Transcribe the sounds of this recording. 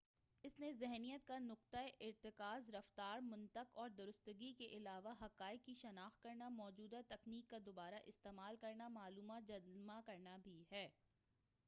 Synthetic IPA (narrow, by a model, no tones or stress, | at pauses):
ɪsnẽzɛɦnijət̪̚kanʊq̚t̪aeʔɪɾt̪ɪkaːzɾɐft̪aːɾmʊ̃nt̪əqɔːɾd̪ʊɾʊst̪əɡikeʔɪlaːʋaɦɐqaːɪkkːiʃɐnaːxt̪̚kɐɾnamɔːd͡ʒuːd̪at̪ɐkniːkːad̪obaːɾaʔɪst̪eːmaːlkɐɾnamaːluːmad͡ʒɐmakɐɾnabʱiɦɛː